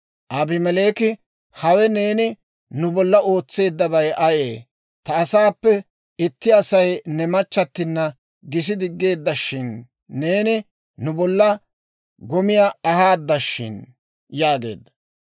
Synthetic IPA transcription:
ʔɐbɪmɛle̞ːkɪ | hɐwɛne̞ːnɪ | nʊbɔlːɐo̞ːt͡sːe̞ːd̪ːɐβɐjɐjeː | t̪ɐːsaːpːɛ | ɪt̪ːɪɐsɐjnɛmɐt͡ʃːɐt̪ːɪnːɐ | ɡɪs̬ɪd̪ɪɡːe̞ːd̪ːɐʃːɪnː | e̞ːnɪ | nʊbɔlːɐ | ɡɔmɪjaɐhaːd̪ːɐʃːɪ̰n | jaːɡe̞̰ːd̪ːɐ̥

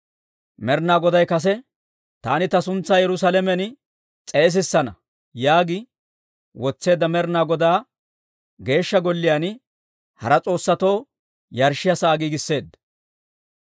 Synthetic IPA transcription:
mɛɾnaːɡɔd̪ɐjkɐs̬ɛ | t̪a̰ːnɪt̪ɐsʊnt͡sːaːjɛɾʊsaːlɛmɛn | t͡sʼe̞ːs̬ɪsːɐnɐ | jaːɡɪ | wɔt͡sːe̞ːd̪ːɐmɛɾnaːɡɔd̪aː | ɡe̞ːʃːɐɡɔlːɪjan | hɐ̰ɾɐt͡sʼo̞ːsːɐt̪o̞ː | jɐɾʃɪjɐsaːɡiːɡɪsːe̞ːd̪ːɐ

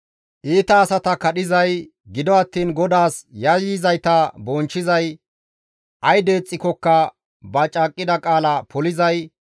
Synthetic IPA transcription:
ʔiːt̪ɐːsɐt̪ɐkɐɗɪzɐj | ɡɪd̪ɔɐt̪ːiːnɡɔd̪aːsjɐjɪzɐjt̪ɐbɔnt͡ʃːɪzɐj | ʔɐjd̪e̞ːt͡sʼːɪkɔkːɐ | bɐt͡ʃʼaːkʼːɪd̪ɐkʼaːlɐpʰɔlɪzɐj

